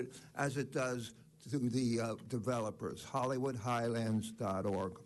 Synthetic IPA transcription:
ɾʔɨzɨt̚d̥ʌz | tɨðɨdɨvɛlˠəpə̰˞z̥hɑlˠiwʊd̚ɦaɪlæ̃ndzdɑɾɔɹɡ̥

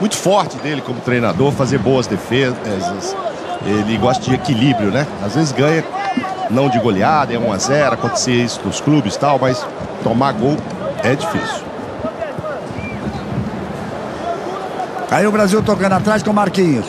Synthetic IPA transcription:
mũj̃t̪ʊ̥fɔɾt͡ʃɪd̪elɪkõmʊt̪ɾejna̰d̪oɾfazeɾboɐzd̪efezɐs | elɪɡɔst̪ɐd͡ʒɪekilibɾjʊnɛazvezɪzɡɐ̃ɲɐnɐ̃w̃d͡ʒɪɡoliad̪ɐɛũazɛɾʊakõnt̪e̥seisʊ̥nʊ̃sklubɪst̪awmɐjs | t̪omaɡow | ɛd͡ʒifisiʊ | aiʊbɾaziwt̪okɐ̃nd̪at̪ɾaskõmaɾkĩɲʊs

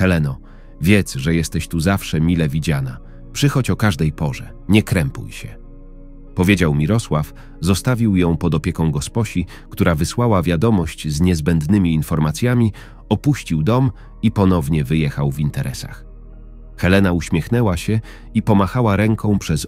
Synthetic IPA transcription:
xɛlɛnɔ | vʲjɛt̪sʐɛjɛst̪ɛɕt̪uzafʂɛmʲilɛvʲid͡ʑana | pʂɘxɔt͡ɕɔkaʐd̪ɛjpɔʐɛ | ɲɛkɾɛmpṵjɕɛ | pɔvʲjed͡ʑawmʲiɾɔswaf | zɔst̪avʲiwjɔ̃w̃pɔd̪ɔpʲjɛkɔ̃w̃ɡɔspɔɕi | kt̪uɾavɘswawavʲjad̪ɔmɔɕt͡ɕzɲɛzbɛnd̪nɘmʲiːnfɔɾmat̪sʲjamʲi | ɔpuɕt͡ɕiwd̪ɔm | ipɔnɔvɲɛvɘjɛxawvint̪ɛɾʔɛsa̰x | xɛlɛnauɕmʲɛxnɛwaɕɛ | ipɔmaxawaɾɛŋkʰɔ̃w̃pʂɛz

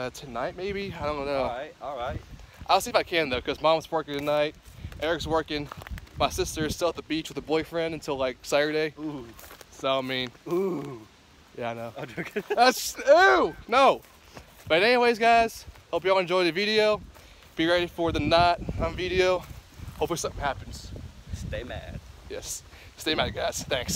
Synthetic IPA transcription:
ʌtʰɨnaɪt̚meɪbiaɪdõʊ̃nnoʊt̚ɔlˠɹaɪt̚ʔaɪlˠsiɨfaɪkʰæ̃nðoʊkʰʌzmɑ̃mzwɜ˞kɪ̃ŋtʰɨnaɪt̚ʔɛɹɨkswɜ˞kɪ̃ŋmaɪsɪstə˞ɨz̥stɪlˠət̪̚ðəbit͡ʃwɨðəbɔɪfɹɛ̃ndɨ̃n̩tʰɪlˠlaɪk̚sæɾə˞deɪ | soʊãmĩnu | jæaɪnoʊdðætsunoʊ | b̥ʌɾɨ̃nɛniweɪzɡaɪz̥hoʊpjɨɔlˠɨ̃nd͡ʒɔ̃ɪ̃ðɨvɪɾioʊ | b̥iɹɛɾifə˞ðɨnɑt̚ãmvɪɾioʊhoʊpisʌ̃mθɪ̃ŋhæpn̩z̥steɪmæ̰d̥jɛ̰ssteɪmæd̚ɡaɪz̥θæ̃ŋks

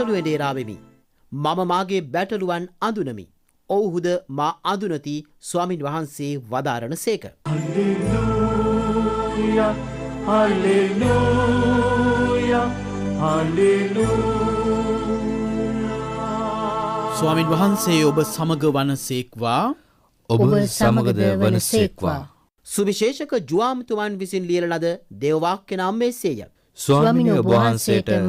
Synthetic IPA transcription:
əluʋeɖeːɾaːʋemḭ | maməmaːɡebæʈəluʋanand̪unəmḭ | owɦud̪əmaːand̪unət̪i | suaːminʋaɦanseːʋad̪a̰ːɾəɳəseːkəalelu | kjahalelu | ja | halelu | suʋaːminʋɐɦansejobəsaməɡəʋɐnəseːkʋaː | obəsaməɡəd̪əɐnəsekʋa̰aː | suʋiʃeːʃəkəd͡ʒuʋaːmt̪umanʋisinlijəlɐnad̪əd̪eːʋəʋaːkːenəamːeːseːja̰ | swaːmʋaɦannsejəʈə

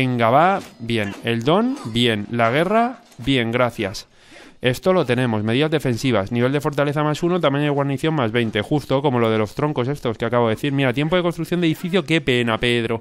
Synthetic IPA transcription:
eŋɡaβabje̞ne̞ld̪o̞nbje̞nlaɣ̞e̞ra | bje̞ŋɡɾaθjas | e̞st̪o̞lo̞t̪e̞nẽ̞mo̞sme̞ð̞iðazðe̞fe̞nsiβ̞asniβe̞ld̪e̞fo̞ɾt̪aleθamasunot̪amjenajɣwaɾniθjo̞mmazβe̞jnt̪e̞xust̪o̞ko̞mo̞lo̞ðe̞lo̞st̪ɾo̞ŋko̞sest̪o̞skeakaβoðeθiɾmiɾat̪jemp̬oðkost̪ɾukθjoneifiθjo̞ke̞pe̞nape̞ðɾo̞

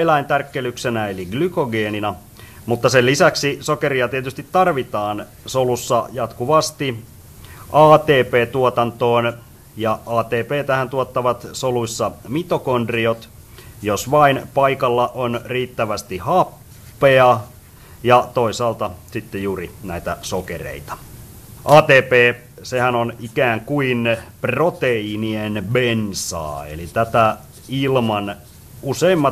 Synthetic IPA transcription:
elæint̪ærkːelyksenæeliɡlykoɡeːninæ | mut̪ːɑselːisæksisokeɾiɑt̪iet̪yst̪it̪tɑrʋit̪ɑːn | solusːɑjɑt̪kuʋɑst̪i | ʔɑːt̪eːpeːt̪uot̪ɑnt̪oːn | jɑɑːt̪eːpeːt̪æhænt̪uot̪ːɑʋɑt̪solusːɑmit̪okondriot̪ | josʋɑinpɑikɑlːɑʔonriːt̪ːæʋæst̪ihɑpː | eɑ | jɑt̪oisɑːlt̪ɑsit̪ːejuːrinæit̪æsokḛrḛit̪ɑ̥ | ʔɑːt̪eːpeː | sehænonikæːŋkuinprot̪einienbensɑ̰ːḛlit̪æt̪æ | ilmɑn | useimːɑ

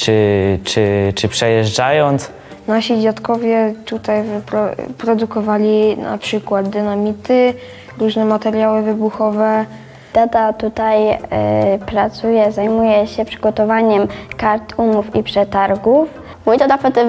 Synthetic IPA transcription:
t͡ʂɘt͡ʂɘt͡ʂɘpʂɛjɛʐajɔnt̪s | naɕid͡ʑat̪kɔvʲjɛt̪ut̪ajvpɾɔpɾɔd̪ukɔvalʲina̰pʂɘkwad̪d̪ɘnamʲit̪ɘ | ɾuʐnɛmat̪ɛɾʲjawɘvɘbuxɔvɛ | d̪ad̪at̪ut̪aj | pɾat̪sujɛzajmujɛɕɛpʂɘ̥ɡɔt̪ɔvaɲɛmkaɾt̪umufipʂɛt̪aɾɡuf | mujd̪ad̪apɔt̪ɪm

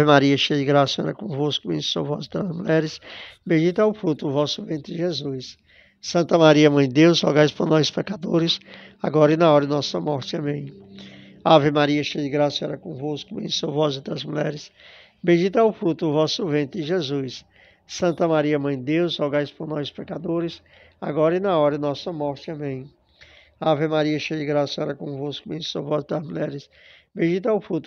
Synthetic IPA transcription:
aɪmaɾiɐʃejd͡ʒɪɡɾasiɐɛ̰ɾɐkõvoskʊbḛ̥̃sovɔzɪt̪ɾɐzmuʎɛɾɪsbẽd͡ʒit̪awfɾut̪ʊːvɔsʊvẽnt̪ʊɾɪʒezujsː | ɐ̃nt̪ɐmaɾiɐmɐ̃j̪̃d̪ewzhɔ̰ɡajspoɾnɔjspɛkad̪oɾɪs | aɡɔɾɐɪnɐɔɾɐnɔsɐmɔɾt͡ʃɪɐ̃mẽj̃ | avɪmaɾiɐʃejd͡ʒɪɡɾasɐɛ̰ɾɐkõvoskʊbḛ̃sowvɔzɪt̪ɾɐzmuʎɛ̰ɾɪs | bẽd͡ʒit̪awfɾut̪ʊvɔsʊvẽnt̪ʊɪʒezujsː | ɐ̃nt̪ɐmaɾiɐmɐ̃j̪̃d̪ewzɔwɡajspoɾnɔjspekad̪oɾɪs | a̰ɡɔɾɐɪnɐɔɾɐɪnɔsɐmɔɾt͡ʃɪɐ̃mẽj̃ | avemaɾiɐʃejd͡ʒɪɡɾasɐɛɾɐkõvoskʊbẽsowvɔzɪt̪ɐzmuʎɛɾɪs | bẽd͡ʒit̪awfɾut̪ʊ

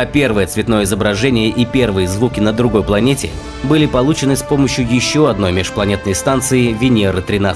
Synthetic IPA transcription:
ɐpʲe̞rvɨjət̪svʲɪt̪no̞jəɪzəbɾɐʐɛnʲɪjəʔipʲe̞rvɨjəzvukʲɪnəd̪ɾʊɡo̞jplˠɐnʲetʲɪ | bɨlʲɪpɐlˠut͡ɕɪnɨspo̞məɕːjʊjɪɕːo̞ɐd̪no̞jmʲɪʂplˠɐnʲet̪nəjst̪ant̪sɨɪvʲɪnʲeɾɨt̪ɾʲɪna

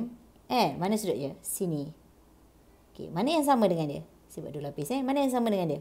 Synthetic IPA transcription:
m | ʔɛmanə̃sudɔ̰ʔd͡ʒasini | okḛmanajaŋs̬amãdəŋãndiə̰ | siba̰ʔdulapisɛmanajaŋs̬amãdəŋandiə

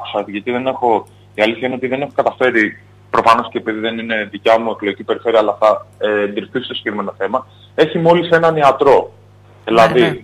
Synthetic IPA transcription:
ku̥sɐt̪iʝɐt̪iðe̞ne̞xo̞ | iɐliθçɐineo̞t̪iðe̞ne̞xo̞kɐt̪ɐfe̞ɾi | pɾofɐno̞sceːpiðiðe̞nine̞ðicɐmue̞klo̞ʝicipe̞ɾife̞ɾiɐːlɐθɐeːnd̪iɾifθisist̪osi̥ɡ̥ekɾime̞no̞θe̞mɐ | e̞çimo̞lise̞nɐniɐt̪ɾo̞ | ðilɐði

